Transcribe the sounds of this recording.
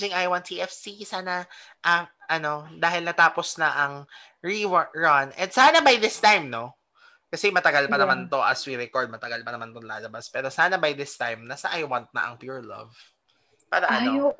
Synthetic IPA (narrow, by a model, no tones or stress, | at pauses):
ɪŋajwɐnt̪ʰiʔɛfsisaːnɐ | ʔɐŋʔɐno̞d̪aːɦɪlnɐt̪aːposnɐʔɐŋ | ɹiwɹɐnʔɛ̰nd̪saːnɐbɐjd̪ɪst̪ajmno̞ | kɐsɛmɐt̪ɐɡalpɐnɐmant̪o̞ʔɐswiɾɛkoɹd̪̚mɐt̪ɐɡɐl̚pɐnɐmant̪onla̰ːlɐbaspɛːɾo̞saːnɐbɐjd̪ɪst̪ajmnɐsɐʔajwant̪̚nɐ̰ʔɐ̰ŋpjuɹlɐ̰v | paːɾɐʔɐoo